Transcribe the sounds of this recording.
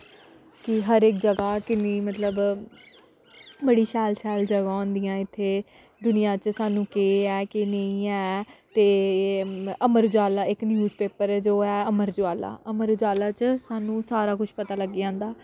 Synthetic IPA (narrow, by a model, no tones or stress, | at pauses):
kɪɦəɾɪk̚d͡ʒəɡaːkɪniːmət̪ləb | bəɽiːʃɛːlʃɛːld͡ʒəɡaɔ̃ːnd̪ijãːɪt̪ʰːeː | d̪ʊnɪjãːt͡ʃsaːnũːkeːɛːkɪnəĩːɛːt̪eː | əməɾd͡ʒoaːlaːɪknjuːzpeːpəɾd͡ʒoːɛːəməɾd͡ʒoaːla̰ːʔəməɾd͡ʒoaːlaːt͡ʃsaːnũːsaːɾaːkʊʃpət̪aːləɡːãːnd̪aː